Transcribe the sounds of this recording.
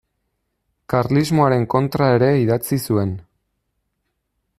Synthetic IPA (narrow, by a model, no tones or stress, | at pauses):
kaɾlizmo̞aɾe̞ŋko̞nt̪ɾae̞ɾe̞iðat͡sisue̞n